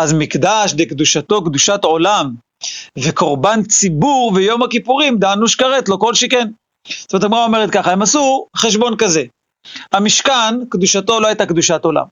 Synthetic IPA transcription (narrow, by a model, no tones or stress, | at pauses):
azmikd̪aʃdekd̪uʃat̪o̞kd̪uʃat̪o̞lam | veko̞ʁbant͡sibuʁvejo̞makipuʁimd̪anuʃkaʁet̪lo̞ko̞lʃeke̞n | st̪omet̪amʁaome̞ʁet̪̚kaχaemasuχeʃ̬bo̞nkaze̞ | amiʃkankd̪uʃat̪o̞lohajt̪akd̪uʃat̪o̞la̰m